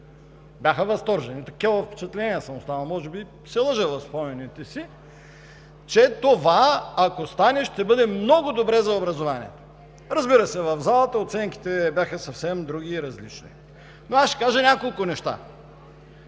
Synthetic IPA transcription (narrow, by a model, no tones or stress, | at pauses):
bʲjaxəvɐst̪ɔɾʒɛnit̪ɐkʲavəfpɛ̥t͡ʃɐt̪lɛniɛsəmost̪anɐlˠmɔʒɛbi | sɛlˠəʒɛvˠɐfspɔmɛnit̪ɛsi | t͡ʃɛt̪ovaːkost̪anɛʃt̪ɛbɤd̪ɛmnɔɡʊd̪obɾɛzɐobɾɐzovanḭɛ̰t̪o̥ | ɾɐzbiɾəsɛvɐvzalˠət̪əot̪sɛŋki̥t̪ɛbʲjaxəsɐfsɛmd̪ɾuɡ̟ʲiːɾɐzlit͡ʃnḭ | noasʃɛ̥kaʒənʲakolˠkʊnɛʃt̪a̰